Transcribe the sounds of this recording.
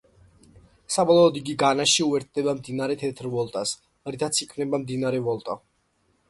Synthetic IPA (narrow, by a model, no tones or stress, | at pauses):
sabɔlˠɔɔd̪iɡiɡanaʃiuɛɾt̪̚ʰd̪ɛbamd̪inaɾɛt̪ʰɛt̪ʰɾvɔlˠt̪ʼas | ɾit̪ʰat̪sʰikʰvnɛbamd̪inaɾɛvɔlˠt̪ʼa